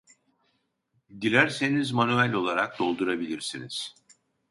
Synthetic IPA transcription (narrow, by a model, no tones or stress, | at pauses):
d̪ilʲæɾse̞nizmanyælʲo̞lˠaɾak̚d̪̥o̞lˠd̪uɾabilʲiɾsiniz̥